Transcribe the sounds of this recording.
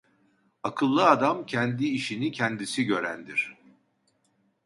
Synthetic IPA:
akʰɯlˠːɯad̪amcʰɛnd̪iːʃinicʰɛnd̪isiɟø̞ɾænd̪iɾ̥

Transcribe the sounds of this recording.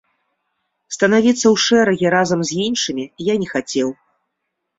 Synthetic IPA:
st̪ɐnavʲit̪sːɐwʂɛɾɐɣʲiɾazɐmzʲinʂɨmʲijanʲɛxat͡sʲɛw

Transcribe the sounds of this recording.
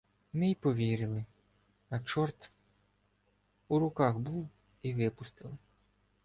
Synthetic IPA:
mɪjpɔʋʲiɾɪlˠɪ | ɐt͡ʃɔrt̪ | uɾʊkɑxbuw | iʋɪpʊst̪ɪlˠɪ

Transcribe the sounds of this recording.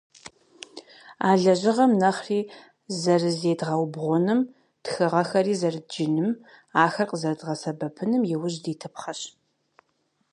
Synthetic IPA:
aːɮɐʑɪʁɐmnɐχriː | zɐrɨzeːdʁɐwbʁʷʊnɨm | txɨʁɐxɐriːzɐrɨd͡ʒɪnɨm | aːxɐrqəzɐrdʁɐsɐbɐpʰɨnɨmjɪwʊʑdiːtʰɨpχɐɕ

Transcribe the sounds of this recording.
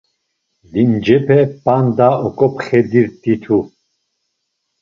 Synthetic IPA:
lind͡ʒɛpʰɛpʼand̪aɔkʼɔpχɛd̪iɾt̪ʼit̪ʰu

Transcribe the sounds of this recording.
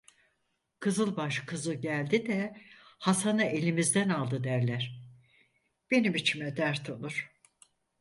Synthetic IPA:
kʰɯzɯlˠbaʃkʰɯzɯɟælʲd̪id̪ɛhasanɯʔelʲimizd̪ænalˠd̪ɯd̪æɾlʲæɾ̥ | b̥e̞nimit͡ʃʰimɛd̪æɾt̪ʰolˠuɾ̥

